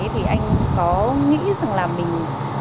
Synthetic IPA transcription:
t̪ʰi˨˩ʔa˧jŋ̟kɔ˨˦ŋḭ˧˥za˨˩ŋlaː˨˩mï˨˩ŋ̟

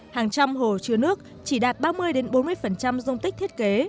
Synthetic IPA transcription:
haː˨˩ŋt͡ɕa˧mho˨˩t͡ɕɨ˧ənɨ˦˥ək̚ | t͡ɕi˧˩ɗaː˨˩t̚ɓaː˧mɨ˧əjɗe˨˦nɓo˨˦nmɨ˧əfə˨˩nt͡ɕa˧mzə˧wŋ͡mt̪ï˦˥t̪ʰi˦˥t̚ke˨˦

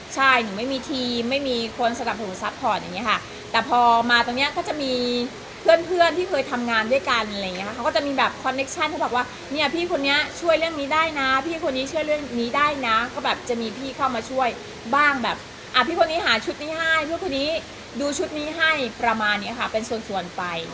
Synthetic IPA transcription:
t͡ɕʰa˥˩jt̪ɯ˨˩˦ma˥˩jmiː˧t̪ʰiː˧mːa˥˩jmiː˧kʰo˧nsa˧na˨˩p̚sa˧nu˩˦sa˦˥p̚kʰɔː˨˩t̪̚ja̰˨ŋːi˦˥kʰa˥˩ | t̪ɛː˨˩pʰɔː˧maː˧t̪o˧ŋni˦˥ɐkɔː˥˩t͡ɕa˨˩miː˧ | pʰɯ˥˩ənpʰɯ˥˩ənt̪iː˥˩kʰɤː˧jt̪ʰa˧mŋaː˧ndu˥˩əjka˧nʔjŋi˦˥ka˥a˦˩kɔː˥˩t͡ɕa˨˩miː˧bɛː˨˩p̚kʰɔ˧nːe˦˥k̚t͡ɕʰa˥˩nkʰa˥˩bɔ˨˩k̚waː˥˩ | ni˥˩ɐpʰiː˥˩kʰo˧nːi˦˥ɐt͡ɕʰu˥˩əjɾɯ˥˩əŋniː˦˥daː˥˩jna˦˥pʰiː˥˩kʰo˧nːiː˦˥t͡ɕʰu˥˩əjɾɯ˥˩əŋniː˦˥daː˥˩jna˦˥kɔː˥˩bɛː˨˩p̚t͡ɕa˨˩miː˧pʰiː˥˩kʰa˥˩wmaː˧t͡ɕʰu˥˩əj | baː˥˩ŋbɛː˨˩p̚ | ʔa˨˩pʰiː˥˩kʰo˧nːiː˦˥ɦaː˩˦t͡ɕʰu˦˥t̪̚niː˦˥ɦa˥˩jpʰɯ˥˩kʰo˧niː˦˥ | duː˧t͡ɕʰu˦˥t̪̚niː˦˥ɦa˥˩jpɾa˧maː˧nːi˦˥ɐkʰa˥˩pe˧nsu˨˩ənsu˨˩ənpa˧j

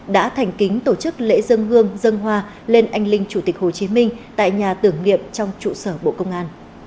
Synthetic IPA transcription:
ɗa̰ː˧˥t̪ʰɛ˨˩ŋ̟kï˨˦ŋ̟t̪o˧˩t͡ɕɨ˦˥k̚lḛ˧˥zə˧ŋɦɨ˧əŋzə˧ŋɦwaː˧ | le˧nʔa˧jŋ̟lï˧ŋ̟t͡ɕu˧˩t̪i˨˩k̚ho˨˩t͡ɕi˨˦mï˧ŋ̟t̪a̰ː˧˨jɲaː˨˩t̪ɨ˧˩əŋnḭ˧˨əmt͡ɕɔ˧wŋ͡mt͡ɕṵ˧˨səː˧˩ɓo̰˧˨kə˧wŋ͡mʔaː˧n

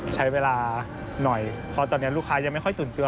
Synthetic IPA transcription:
t͡ɕʰa˦˥jweː˧laː˧ | nɔ˨˩j | pʰɔ˧t̪ɔː˧nːi˦˥ɐɾluː˥˩kʰaː˧jaː˧ŋma˥˩jkʰɔ˥˩jt̪uː˨˩nt̪ɯ˧ə

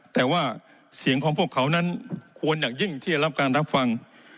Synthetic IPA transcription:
t̪ɛː˨˩waː˥˩ | si˨˩˦əŋkʰɔː˩˦ŋpʰu˥˩əkʰːa˦˥wna˦˥nkʰu˧ənjaː˨˩ŋ̚ji˥˩ŋt̪ʰiː˥˩t͡ɕa˧˩ɾa˦˥p̚kaː˧nɾa˦˥p̚fa˧ŋ

